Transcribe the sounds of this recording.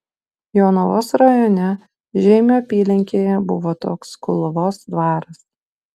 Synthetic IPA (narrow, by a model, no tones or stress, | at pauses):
joːnɔʋoːsɾɐjoːnʲɛ | ʒʲɛɪmʲoːpʲiːlʲɛŋʲkʲeːjɛbʊʋoːt̪oːkskʊlˠʊʋoːsd̪ʋɑːɾɐs